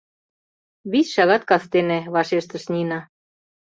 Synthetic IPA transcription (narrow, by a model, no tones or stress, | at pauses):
βisʃɑɣɑt̪kɑst̪enĕβɑʃeʃt̪ə̆ʃnʲinɑ